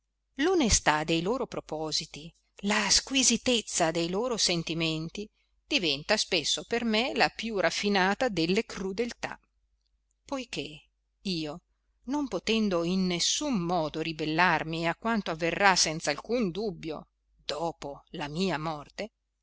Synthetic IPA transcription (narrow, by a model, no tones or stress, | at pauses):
lonest̪ad̪ejloːɾopɾopɔːzit̪i | laskwizit̪et̪sːad̪ejloːɾosent̪iment̪i | d̪̥ivɛnt̪aspesːopermelapjurafːinaːt̪ad̪elːekrɾud̪elt̪a̰ | pojk̟e | iːo | nompot̪ɛnd̪oinːesːumːɔːd̪oɾibelːarmiakːwant̪oavːerːasɛnt̪salkund̪ubːjo̰ | d̪̥ɔːpolamiːamɔrt̪e